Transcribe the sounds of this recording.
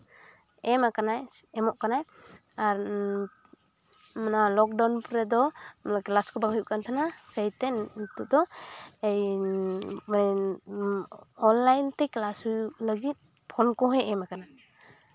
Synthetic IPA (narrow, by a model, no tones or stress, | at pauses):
ɛmakanajɛmɔʔkanaj | aɾ | manalɔk̚dawnpɾɛd̪ɔmnaklaskɔbaŋhujuʔkant̪ʰanakajt̪ɛnt̪uʔd̪ɔej | ɔnlajnt̪ejklashujuʔləɡit̪̚ | pʰɔnkɔɦɔjɛmakana